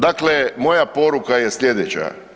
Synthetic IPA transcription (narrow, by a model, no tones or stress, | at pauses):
d̪aklemo̞japo̞ɾukajesʎʲe̞d̪et͡ɕa̰